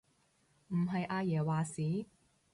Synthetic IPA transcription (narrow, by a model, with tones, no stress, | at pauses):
m̩˨˩ɦɐ˨jʔaː˧jɛː˨˩waː˨siː˨˥